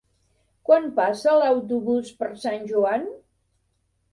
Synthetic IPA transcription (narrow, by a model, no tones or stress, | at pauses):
kwanpasələwt̪̬uβuspəɾsanʲʒuan